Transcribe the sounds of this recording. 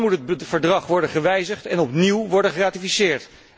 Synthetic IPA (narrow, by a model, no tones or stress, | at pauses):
mutɦətfəɹdrɑχʋɔɹdənχəʋɛjzəχtɛnɔpniwʋɔɹdəχəraːtifisɪːɹt